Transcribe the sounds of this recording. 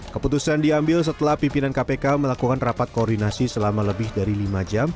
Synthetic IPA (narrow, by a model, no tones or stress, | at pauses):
kəput̪usandiambɪls̬ət̪əlahpimpinankapekaməlakukanrapat̪̚koːrdinasisəlamaləbɪhdaɾilimad͡ʒam